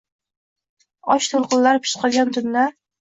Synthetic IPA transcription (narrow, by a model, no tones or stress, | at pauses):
ɒʃt̪ʰolˠqɨnlaɾpʰɪ̥ʃqʰɒlˠɡʲant̪ʰʊnːaɾ